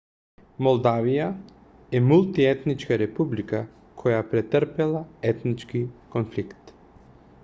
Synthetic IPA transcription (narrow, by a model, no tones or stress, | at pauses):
mɔlˠd̪avija | ɛmulˠt̪iɛt̪nit͡ʃkaɾɛpublika | kʰɔjapɾɛt̪əɾpɛlˠaɛt̪nit͡ʃkikɔnflikt̪